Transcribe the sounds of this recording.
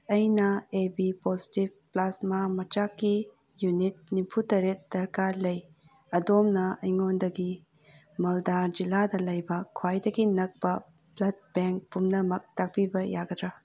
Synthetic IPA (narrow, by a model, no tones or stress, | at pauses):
ɐjnɐebipozi̥tibplasmamɐt͡ʃakːi | junit̚nipʰutɐɾet̚d̥ɐɾkaɾlɐj | ɐdomnɐɐjŋondɐɡi | mɐldaɾd͡ʒiladɐlɐjbɐkʰwajdɐɡinɐk̚pɐ | blɐd̚beŋk̚pumnɐmɐk̚tak̚pibɐjaɡɐdɾɐ